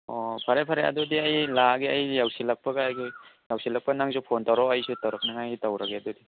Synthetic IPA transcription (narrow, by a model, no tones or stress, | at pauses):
ɔpʰaɾepʰaɾeɐ̰dodiɐjlaɡiɐjjawsilɐk̚pɐɡaːjɡijawsilɐk̚pɐnaŋzupʰontawɾɔɐjsutawɾɐk̚naŋajɡitawɾɐɡeɐdɔdi